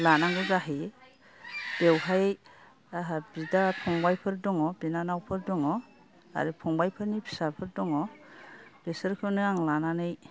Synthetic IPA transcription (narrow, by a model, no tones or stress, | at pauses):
lanaŋɡɯzaɦi | b̥ewɦaj | bidapʰɔŋbajpʰɯɾdɔŋɔbinanawpʰɯɾdɔŋɔ | a̰ɾɯpʰɔŋbajpʰɯɾnipʰi̥sapʰɯɾdɔŋɔ | b̥esɯɾkʰɯnɯaŋlananɯj